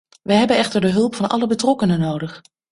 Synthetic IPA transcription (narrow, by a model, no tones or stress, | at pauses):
ʋəɦɛbənɛχtəɹdəɦɵlˠpfɑnʔɑ̰ləbətrɔkənənowdəχ